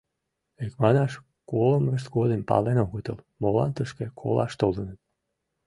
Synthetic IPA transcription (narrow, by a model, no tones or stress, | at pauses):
ekmɑnɑʃ | koləmrəʃ̬t̪ɡod̪empɑ̰lenoɣət̪əlˠ | molɑ̰nt̪əʃkekʰo̰lˠɑ̰ʃt̪olˠənət̪̚